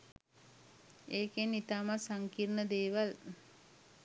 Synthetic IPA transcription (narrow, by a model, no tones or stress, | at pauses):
eːkenit̪aːmasaŋkirnəd̪eːʋal